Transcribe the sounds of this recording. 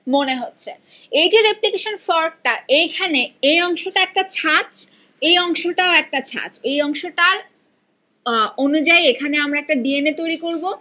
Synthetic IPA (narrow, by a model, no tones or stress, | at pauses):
moneɦotːɕʰe | ejd͡ʑeɾeplikeʃonfɔɾk̚ʈaejkʰaneejɔŋʃoʈaɛk̚ʈat͡ɕʰat͡ɕ | ejɔŋʃoʈaoɛk̚ʈat͡ɕʰa̰t͡ɕejɔŋʃoʈaɾ | onud͡ʑaiekʰaneamɾaɛk̚ʈaɖienet̪ojɾikoɾbo